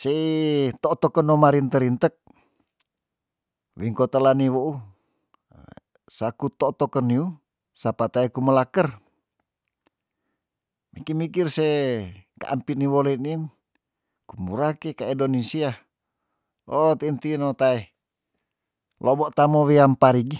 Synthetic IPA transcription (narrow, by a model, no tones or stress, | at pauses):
seit̪ɔt̪ɔkənomaɾint̪əɾint̪ək̚ | wiŋkot̪əlaniwou | sakut̪ɔt̪okənːiu | sapat̪aekuməlakər | mikimikirseka̰ʔampiniwoleinin | kumuɾakekaidonisia | ot̪int̪inot̪ae | lʔobɔʔt̪amowiampaɾiɡi